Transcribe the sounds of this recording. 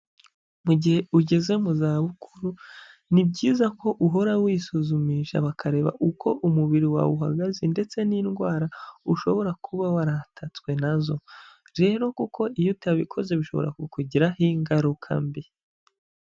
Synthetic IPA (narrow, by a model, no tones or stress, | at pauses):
muɟihe̞uɟe̞ze̞muzaːβukuɾu | nib̚ɟiːzako̞ʔuɦo̞ɾawisuzumiʃa̰βakʰaɾe̞ːβa̰ʔukʰo̞ʔumuβiɾiwa̰wuɦa̰ɡazende̞t͡se̞niːnɡwaːɾauʃo̞βo̞ɾakʰuβawaɾatʰat͡swe̞nazo̞ | ɾe̞ːɾo̞kuko̞ijutaβikʰo̞ze̞βiʃo̞̰βo̞̰ɾa̰kukuɟiɾahiŋɡaɾukʰa̰mbi